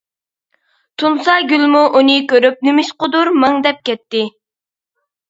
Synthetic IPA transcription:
t̪ʰunsɑɡʲylmuʔunɨkʲøɾyp̚nymiʃqʊd̪uɾmɑŋd̪ɛp̚kʲɛt̪ːɪ

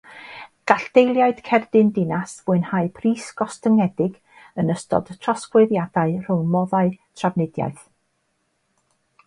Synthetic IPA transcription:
ɡ̥aɬd̥ejlˠjaɨd̥kʰɛrdɪndɪnasvʊɨnhaɨpʰriːsɡ̥ɔstəŋɛdɪɡ | ənəstɔ̰d̥tʰrɔskweðjad̥aɨr̥ʊŋmɔðaɨtʰrabnɪdja̰ɨθ

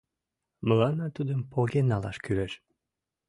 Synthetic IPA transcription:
məlɑnɑt̪ud̪əmpʰoɡenɑlˠɑ̰ʃkyɾeʃ

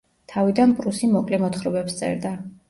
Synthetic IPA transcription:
t̪ʰavid̪anpʼɾusimɔkʼlimɔt̪χɾɔbɛpst̪sʼɛ̰ɾd̪a

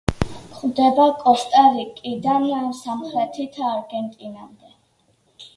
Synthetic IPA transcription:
χwd̪ɛbakʼɔst̪ʼaɾikʼid̪aniamsamχɾɛt̪ʰit̪ʰaːɾɡɛnt̪ʼinamd̪ɛ

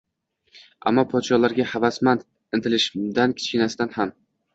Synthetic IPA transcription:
a̰mːɒpʰɒt̪ʃɒlaɾɡʲahavasman | ɪnt̪ʰɪlɪʃd̪ankʲʰɪ̥t͡ʃkʲɪnasɪd̪anham

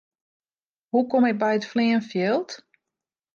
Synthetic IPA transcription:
hukomɪk̚bɛjətflɪːənfjɛlˠt

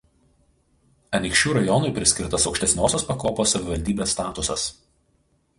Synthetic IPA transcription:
ɐnʲɪkʃʲt͡ʃʲuːɾɐjɔnʊɪpʲɾʲɪsʲkʲɪɾt̪ɐsɒɔʊkʃʲt̪ʲɛsʲnʲoːsʲoːspɐkoːpoːsɐʋʲɪʋɐlʲd̪ʲiːbʲeːsːt̪ɑːt̪ʊsɐs

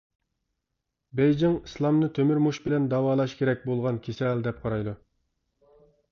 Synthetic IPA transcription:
bɛjd͡ʒɪŋislˠɑmnɨt̪ʰømyɾmuʃbɪlɛnd̪ɑwɑːlˠɑʃkʲeɾɛk̚ʲbolˠʁɑnkʲʰesɛld̪ɛp̚qʰɑɾɑjd̪u

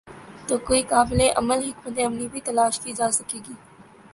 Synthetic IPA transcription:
t̪okoikɑːbɪleʔa̰məlɦɪkmɐt̪eɐmnibit̪ɐlɑːʃd̪iːd͡ʒɑːsakeːɡi

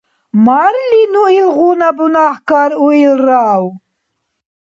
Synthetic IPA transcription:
maɾlinuilʁunabunahkaɾuilraːw

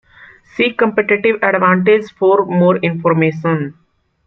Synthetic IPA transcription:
siːkɐ̃mpeʈɪʈɪʋɐɖʋãːɳʈed͡ʒfɔːɾmoːɾɪ̃nfɔːɾmeːʃə̃n

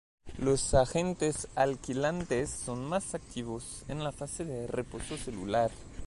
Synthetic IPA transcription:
lo̞saxe̞nt̪esalkilant̪esːo̞nmasak̚t̪ʰiβosenlafase̞ðerepo̞so̞se̞lṵlaɾ

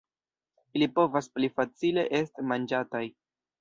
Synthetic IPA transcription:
ilipo̞vasplifat͡sile̞ʔe̞stimand͡ʒataj

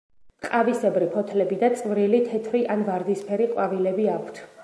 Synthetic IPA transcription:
qʼavisɛbɾipʰɔt̪ʰlɛbid̪at̪sʼvɾilit̪ʰɛt̪ʰɾiʔanvaɾd̪ispʰɛɾiqʼwavilɛbiakʰt̪ʰ

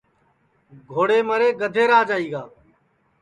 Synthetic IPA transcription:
ɡʱoːɽeːməɾeːɡəd̪ʱeːɾaːd͡ʒaːiːɡaː

